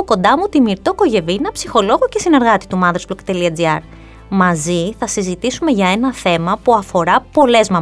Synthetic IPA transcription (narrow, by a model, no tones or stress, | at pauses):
oko̞nd̪ɐmut̪imiɾt̪oko̞ʝe̞vinɐpsixo̞lo̞ɣocesine̞ɾɣɐt̪i̥t̪umɐðɾezblokt̪e̞liɐd͡ziɐɾ | mɐziθɐsizit̪isume̞ʝɐe̞nɐθe̞mɐpuɐfo̞ɾɐpo̞le̞zmɐ